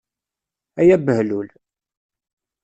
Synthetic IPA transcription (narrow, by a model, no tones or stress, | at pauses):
æjæbəhlul